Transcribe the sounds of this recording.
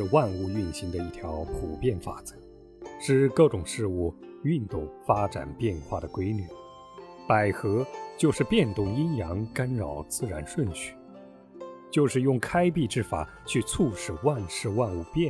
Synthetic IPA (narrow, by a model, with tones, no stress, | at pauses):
ɻ̩˥˧wa˥˧nu˥˧y˥˩nɕi˧˥ŋd̪ə˧i˥˩t̪ʰjɑ˧˥ʊpʰu˨˩pjɛ˥˩nfa̰˨˩t͡sə̥˧˥ | ʈ͡ʂɻ̩˥˧kɤ˥˩ʈ͡ʂʊ˨˩ŋʂɻ̩˥˧u˥˩ | y˥˧nt̪ʊ˥˩ŋfa˥ʈ͡ʂa̰˨˩npjɛ˥˧nxwa˥˩d̪ə˩kwe˥ɪny˨˩˦ | pa˨˩ɪxɤ˧˥t͡ɕjo˥˧ʊʂɻ̩˥˧pjɛ˥˧nt̪ʊ˥˩ŋi˥njɑ˧˥ŋka˥nɻɑ˨˩ʊt͡sɹ̩˥˩ɻa˧˥nʂwə˥˧nt͡ɕʰy̥˥˩ | t͡ɕjo˥˧ʊʂɻ̩˥˧jʊ˥˩ŋkʰa˥ɪp̬i˥˧ʈ͡ʂɻ̩˥˩fa̰˨˩˦ | t͡ɕʰy˥˧t͡sʰu˥˧ʂɻ̩˨˩wa˥˧nʂɻ̩˥˧wa˥˧nu˥˧pjɛ˥˩